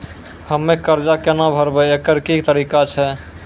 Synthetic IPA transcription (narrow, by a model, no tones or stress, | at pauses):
həmːekəɾd͡ʒakenabʱəɾbɛekəɾkit̪əɾikat͡ʃʰɛ